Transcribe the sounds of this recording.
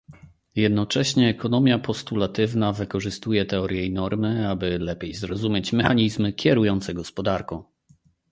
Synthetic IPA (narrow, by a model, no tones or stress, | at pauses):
jɛd̪nɔt͡ʂɛɕɲɛːkɔnɔmʲjapɔst̪ulat̪ɘvnavɘkɔʐɘst̪ujɛt̪ɛɔɾʲjɛjnɔɾmɘabɘlɛpʲjejzɾɔzumʲjet͡ɕmɛxaɲizmɘkʲjɛɾujɔnt̪sɛɡɔspɔd̪aɾkɔ̃w̃